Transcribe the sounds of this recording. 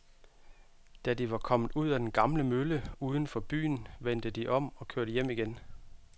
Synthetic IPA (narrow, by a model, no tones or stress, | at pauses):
d̥æd̥iʋɑ̈kʰɒ̽m̰ð̩ˠuð̞̰ˠæd̥enɡ̥ɑ̈mləmøləuːð̞ˠən̩fɒ̽b̥y̰ːn̩ʋen̰d̥əd̥iʔɒ̽m̰ɒ̽kʰøɐ̰ɾ̥əjem̰iɡ̥en